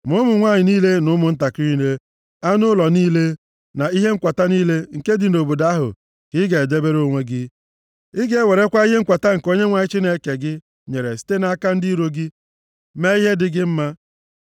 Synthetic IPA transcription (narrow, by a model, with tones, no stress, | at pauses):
mʊ˦mʊ˨ŋʷa˦˨ɲɪ˨niː˦le˦nʊ˦mʊ˨n̩˦ta˨ki˦le˦ | a˦nʊ˦lɔ˨niː˦le˦ | na˨i˦ɦe˦ŋ̩˦kʷa˨ta˦niː˦le˦ŋ̩˨ke˦dɪ˨no˨bo˨da˦a˦ɦʊ̰˨ | kɪ˦ɡe˨e˨de˦be˦ɾo˦ŋʷe˦ɡɪ˦ | ɪ˦ɡe˦e˦we˨ɾe˦kʷa˦i˦ɦe˦ŋ̩˦kʷa˨ta˦ŋ̩˨ko˦ɲe˦ŋʷa˨ɲɪ˦t͡ʃi˦ne˦ke˨ɡɪ˦ | ɲe˨ɾe˨si̥˦te˦na˨a˦ka˦n̩˦di˦ɾo˦ɡɪ˦ | me˦i˦ɦe˦dɪ˨ɡɪ˦m̩˦ma˦